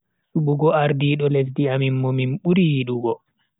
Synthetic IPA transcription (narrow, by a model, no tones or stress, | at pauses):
suɓuɡɔaɾdiːɗɔlefdiamimːominɓuɾiɗuɡɔ